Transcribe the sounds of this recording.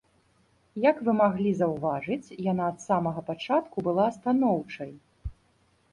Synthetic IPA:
jɐkvɨmaɣlʲizɐwvaʐɨt͡sʲjanaːt̪samɐɣɐpat͡ʂat̪kubɨlˠaɐst̪anɔwt͡ʂɐj

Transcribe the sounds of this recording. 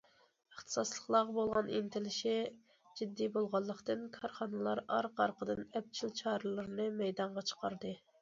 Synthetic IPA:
əχt̪ʰɨ̥sɑslˠəχlˠɑʁbolˠʁɑnint̪ʰɪlɪʃɪ | d͡ʒid̪ːibolˠʁɑlˠːəqt̪ɨnkʰɑɾχɑnɨlˠɑɾɑɾqɑɾqʰəd̪ɨnɛp̚t͡ʃʰilt͡ʃʰɑːɾɨlˠɨɾnɨmɛjd̪ɑɴʁɑt͡ʃʰə̥qʰɑɾd̪ɨ

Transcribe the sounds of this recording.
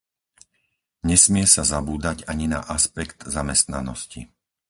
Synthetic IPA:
ɲɛsmɪɛsazabuːd̪aɟaɲina̰ʔaspɛkt̪zamɛst̪na̰nɔ̰scḭ

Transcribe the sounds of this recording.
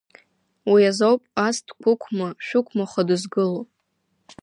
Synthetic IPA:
wiazowpʼastʰkʷʰʊkʷʰmaʃᶣʊkʷʰmaχadɨzɡɨlopʼ

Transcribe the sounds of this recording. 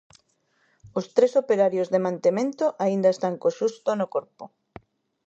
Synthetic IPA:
ʊst̪ɾesopeɾaɾjozðemãnt̪emẽnt̪oʔaind̪aɐest̪aŋkoʃust̪onokoɾpʊ

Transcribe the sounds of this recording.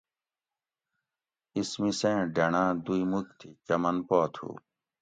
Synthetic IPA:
ismisẽːɖɐɳãːd̪uimukt̪ʰit͡ɕɐmɐnpoːt̪ʰṵː

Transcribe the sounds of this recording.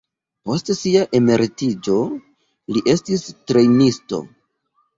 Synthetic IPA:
po̞stsiaʔeme̞ɾtid͡ʒo̞ | liʔe̞stistɾe̞jnisto̞̰

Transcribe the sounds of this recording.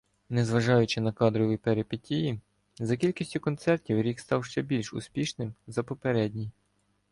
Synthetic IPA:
nɛzʋɐʒɑjʊt͡ʃɪnɐkɑd̪ɾɔʋʲipeɾepetʲiji | zɐkʲilʲkʲisʲtʲʊkɔnt̪sɛrtʲiwɾʲikst̪ɑwʃt͡ʃɛbʲilʲʃʊ̰spʲiʃnɪmzɐpɔpeɾɛdʲnʲij

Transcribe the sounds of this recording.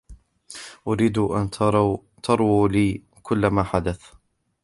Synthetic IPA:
ʔʊɾiːd̪ʔant̪ɾ | t̪ʰɑɾˤwuːliː | kʊlːamaːħad̪aθ

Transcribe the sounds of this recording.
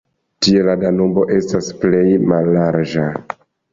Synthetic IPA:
tie̞ladanombo̞ʔe̞stasple̞jmalːaɾd͡ʒa

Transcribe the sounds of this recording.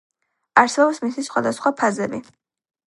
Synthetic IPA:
aɾsɛbɔpsmisisχwa̰d̪asχwapʰazɛbi

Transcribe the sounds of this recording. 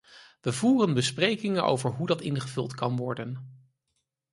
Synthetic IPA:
ʋəvuːrənbəsprejkɪŋənʔo̰wvəɹɦudɑtɪnχəvɵlˠtkɑnʋɔɹdən

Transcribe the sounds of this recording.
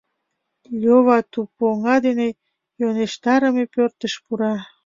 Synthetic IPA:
loβɑt̪upoŋɑd̪ene | joneʃt̪ɑɾəmepørt̪əʃpuɾɑ

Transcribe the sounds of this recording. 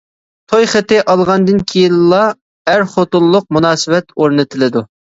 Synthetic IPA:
t̪ʰojχɪt̪ɪʔɑlˠʁɑnd̪ɨnkʲʰijinlˠɑ | æɾχot̪ʊlˠːʊq̚munɑːsɪwɛt̪oɾnɨt̪ʰɪlɪd̪u

